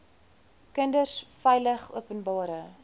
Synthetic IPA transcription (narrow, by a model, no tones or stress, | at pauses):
kəndərsfɛjləχṵəpənbɑːɾə